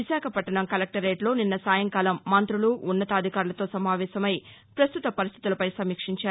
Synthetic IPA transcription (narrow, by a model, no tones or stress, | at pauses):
iʃaːkʰɐpɐʈːɐɳɐmkɐlɐk̚ʈɐɾːeːʈlo̞ːninːɐsaːjɐŋkaːlɐmːɐnt̪ɾuluʔːnːɐt̪ɐːd̪ʱikaːɾulɐt̪o̞ːsɐmaːʋɛːsɐmɐj | pɾɐst̪ut̪ɐpɐɾist̪ʰi̥t̪ulɐpɐjsɐmiːkʂiɲt͡ʃaːɾ